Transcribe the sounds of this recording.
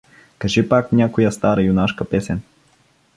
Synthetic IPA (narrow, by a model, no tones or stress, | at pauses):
kɐʒɛpaknʲakʊjast̪aɾajunaʃkɐpɛsɛn